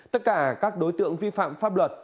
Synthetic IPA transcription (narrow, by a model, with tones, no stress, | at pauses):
t̪ə˦˥t̚kaː˧˩kaː˦˥k̚ɗo˨˦jt̪ɨ̰˧˨əŋvi˧fa̰ː˧˨mfaː˦˥p̚lwə˨˩t̚